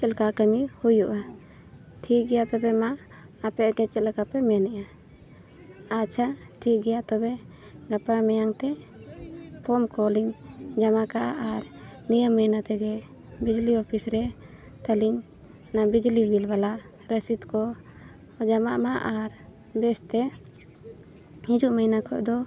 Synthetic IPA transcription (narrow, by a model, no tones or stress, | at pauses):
t͡ʃɛlkakəmihujuʔa | ʈʰik̚ɡɛjat̪ɔbɛmaː | pɛʔɡɛt͡ʃɛlkapɛmɛnɛʔa | at͡ʃʰa | ʈʰik̚ɡɛjaʔt̪ɔbɛ | ɡapamɛjaŋt̪ɛ | pʰɔmkɔliŋd͡ʒamakaʔʔaɾnijəmːəjnat̪ɛɡɛ | bid͡ʒliɔpʰisɾɛ | t̪aliɲ | nabid͡ʒlibilbalaʔ | ɾəsit̪kɔ | d͡ʒamaʔmaʔaɾ | bɛst̪ɛ | hid͡ʒuʔməjnakʰɔ̰ʔd̪ɔ